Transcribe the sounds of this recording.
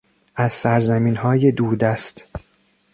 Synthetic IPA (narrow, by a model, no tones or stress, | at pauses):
ʔæzsæɾzæmiːnhɒːje̞d̪uːɾd̪æst̪